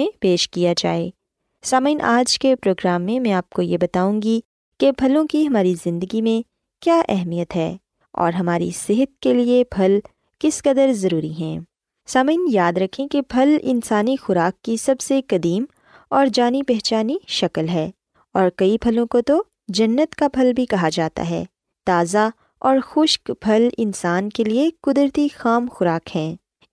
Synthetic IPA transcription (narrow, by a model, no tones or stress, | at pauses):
ẽpeːʃkijad͡ʒa̰ːeː | saːməiːnʔaːd͡ʒkepɾoːɡɾaːmːẽmɛ̃aːp̚kojebɐt̪aːũːŋɡi | kebʱɐlõkiɦɐmaːɾizɪ̃nd̪əɡimẽ | kjaːʔɛɦmijət̪ɦɛː | ɔ̰ːɾɦɐmaːɾḭsɪɦət̪̚keliebʱɐl | kɪskɐd̪əɾzɐɾuːɾiɦɛ̃ː | saːmɪːnjaːd̪ɾɐkʰẽkebʱɐlɪ̰nsaːnixʊɾaːkːisɐbsekɐd̪iːm | ɔːɾd͡ʒaːnipɛɦt͡ʃaːniʃɐklɦɛː | ɔːɾkɐibʱɐlõkot̪o | d͡ʒɐnːət̪kabʱɐlbʱikɐɦad͡ʒaːt̪a̰ɦɛ̰ː | t̪aːza | ɔːɾxʊʃkbʱɐlɪ̰̃nsaːnkeliekʊd̪ɾt̪ixaːmxʊɾaːkhɛ̃ː